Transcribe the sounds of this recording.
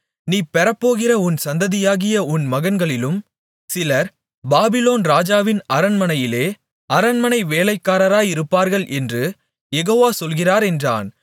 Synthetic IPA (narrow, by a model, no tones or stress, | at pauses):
niːpɛɾɐpːoːɣɪrɐʊnsɐnd̪ɐðɪjaːɣɪjɐʊnmɐɣɐnɡɐɭɪlɯm | sɪlɐɾ | baːbɪloːnɾaːd͡ʒaːʋɪnɐɾɐnmɐnɐjɪleː | ɐɾɐnmɐnɐɪʋeːlɐɪkːaːɾɐɾaːjɪɾɯpːaːɾɣɐɭʔɛndrɯ | jɛɣoːʋaːsɔlɣɪraːɾɛndra̰ːn